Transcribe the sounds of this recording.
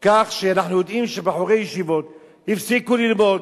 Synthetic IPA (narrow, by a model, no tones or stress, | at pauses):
kaχʃeanaħnujo̞d̪ʔimʃebeaħoʁejeʃivo̞t̪ | hifsikulilmo̞d̪